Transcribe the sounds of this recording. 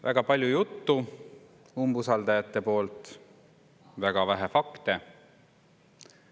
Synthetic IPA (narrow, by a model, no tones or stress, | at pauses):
væ̰ɡ̥ɑpɑlʲjujut̪ːu | umbusɑld̪ɑjɑt̪ːˑe̞po̞ːlt̪ | væɡ̥ɑvæɦefɑkt̪e